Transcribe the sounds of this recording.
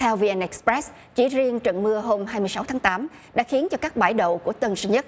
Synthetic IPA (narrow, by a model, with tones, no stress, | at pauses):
t̪ʰɛ˧wvi˧ʔɛ˧nʔɛ˨˧˥k̚spɾɛ˦˥s | t͡ɕḭ˧˩zi˧əŋt͡ɕə̰˧˨nmɨ˧əɦo˧mɦaː˧jmɨ˧əsa˨˦wt̪ʰaː˨˦ŋt̪aː˨˦m | ɗa̰ː˧˥xi˨˦ənt͡ɕɔ˧kaː˦˥k̚ɓaː˧˩jɗə̰˧˨wku˧˩ət̪ə˧nsɨ˧ɲə˦˥t̚